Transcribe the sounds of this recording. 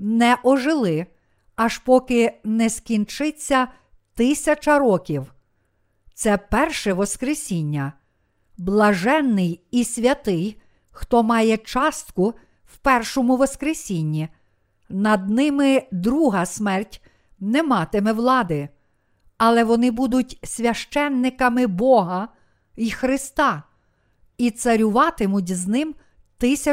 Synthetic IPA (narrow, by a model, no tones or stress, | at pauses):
nɛʔɔʒɪlˠɪ | ɐʃpɔkɪnɛskʲint͡ʃɪt͡sʲːɐ | t̪ɪsʲɐt͡ʃɐɾɔkʲiw | t̪sɛpɛrʃɛʋɔskɾesʲinʲːɐ | blˠɐʒɛnːɪjisʲʋʲɐt̪ɪj | xt̪ɔmɑjɛt͡ʃɑst̪kʊ | wpɛrʃɔmʊʋɔskɾesʲinʲːi | nɐd̪̚nɪmɪd̪ɾuɦɐsmɛrtʲ | nɛmɑt̪ɪmɛʋlˠɑd̪ɪ | ɐlˠɛʋɔnɪbud̪ʊtʲsʲʋʲɐʃt͡ʃɛnːɪkɐmɪbɔɦɐ | ixɾɪst̪ɑ | it̪sɐɾʲʊʋɑt̪ɪmʊtʲznɪm | t̪ɪsʲɐ